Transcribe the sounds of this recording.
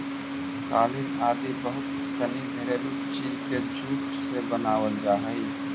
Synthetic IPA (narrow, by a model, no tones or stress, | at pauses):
ka̰ːlɪnaːd̪ibɐɦʊt̪ | sɐnibʱeɾeɾu | t͡ʃiːzked͡ʒuːʈ | sebənaːʋəld͡ʒaːɦiː